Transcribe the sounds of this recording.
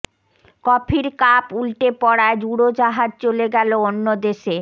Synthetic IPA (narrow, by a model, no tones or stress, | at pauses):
kɔpʰiɾkapulʈepɔɽaed͡ʑuɽod͡ʑaɦad͡ʑt͡ɕoleɡɛloonːod̪eʃe